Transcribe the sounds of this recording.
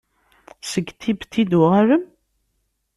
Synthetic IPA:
səɡt̪ʰibt̪ʰːid̪uʁaɾəm

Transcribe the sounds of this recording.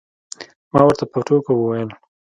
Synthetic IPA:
mɑwəɾt̪apəʈokawəwajəl

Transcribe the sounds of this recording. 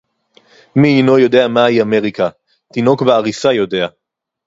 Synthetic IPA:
miːno̞jo̞d̪e̞amajiame̞ʁika | t̪ino̞kbeaʁisajo̞de̞a

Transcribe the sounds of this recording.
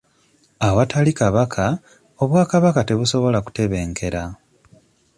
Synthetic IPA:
awatʰalikaβakʰa | o̞βwaːkaβakate̞βuso̞βo̞laku̥te̞βe̞ːŋkʰe̞ɾa

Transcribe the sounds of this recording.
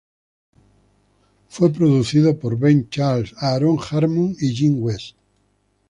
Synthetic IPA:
fwop̬ɾoðuθiðopoɾβẽnt͡ʃaɾlsaɾoŋxaɾmũŋiʒĩŋɡwest̪

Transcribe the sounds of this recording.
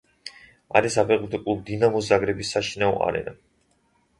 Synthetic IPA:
a̰ɾisapʰɛqʼut̪ʰɔkʼulˠd̪inamuszaɡɾɛbisːaʃinaɔ̰ʔa̰ɾɛ̰na̰

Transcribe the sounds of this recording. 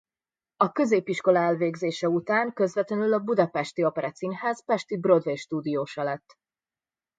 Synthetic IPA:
ɒkø̞zeːpiʃko̞lɒɛlveːɡzeːʃɛut̪aːŋkø̞zvɛt̪lɛnylɒbud̪ɒpɛʃt̪iɒpɛɾɛt̪sinhaːzpɛʃt̪ibro̞d̪veʃt̪uːd̪ijoːʃɒlɛt̪ː

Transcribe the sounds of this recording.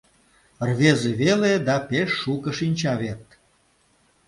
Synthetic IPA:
rβezeβeled̪ɑpeʃːukə̆ʃinʲt͡ɕɑβert̪

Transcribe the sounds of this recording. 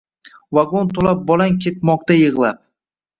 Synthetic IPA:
vaɡont̪ʰolap̚bɒlankʲʰe̞t̪̚mɒq̚t̪ajɨʁlˠap̚

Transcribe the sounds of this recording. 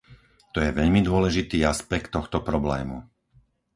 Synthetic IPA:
t̪ɔjɛʋɛʎmid̪ʊɔlɛʒit̪iːaspɛkt̪ːɔxt̪ɔpɾɔblɛ̰ːmṵ

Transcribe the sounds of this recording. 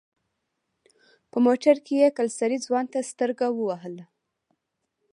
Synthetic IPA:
pəmoʈaɾkejekalsaɾid͡zwɑnt̪ast̪əɾɡawəwaɦəla

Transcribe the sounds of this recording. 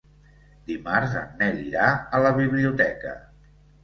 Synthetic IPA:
d̪imaɾzə̰nɛliɾaələβiβliut̪ɛkə̰

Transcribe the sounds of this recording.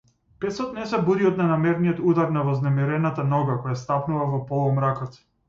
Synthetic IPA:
pɛsɔt̪nɛsɛbuɾiɔd̪nɛnamɛɾnijɔt̪ud̪aɾnavɔznɛmɛɾɛnat̪anɔɡakɔjast̪apnuvavɔpɔlˠɔmɾakɔt̪

